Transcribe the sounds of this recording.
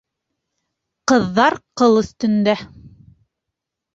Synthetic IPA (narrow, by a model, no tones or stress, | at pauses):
qɤ̆ðːɑɾqɤlˠɵ̆θt̪ɵ̆nd̪æ